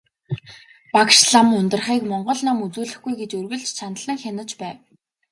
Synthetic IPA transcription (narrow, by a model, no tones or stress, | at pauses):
pakʃɮamɵnt̪ə̆rχiːkmɔɴɢɞ̆ɮnamut͡suːɮɘ̆xɡujɡet͡ɕɵrɣɵ̆ɮt͡ɕt͡ɕʰanə̆ɮə̆ŋxʲanə̆t͡ɕpæːw